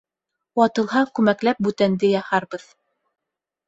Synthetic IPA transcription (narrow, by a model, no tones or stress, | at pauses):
wɑt̪ɤ̆lˠɦɑkʉmæklæp̚bʉt̪ænd̪ɘjɑhɑɾbɤð